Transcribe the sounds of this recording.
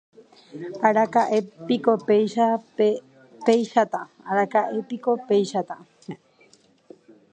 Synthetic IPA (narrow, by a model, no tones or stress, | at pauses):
aɾakaʔepikopejʃae | pejʃat̪a | aɾakaʔepikopejʃat̪a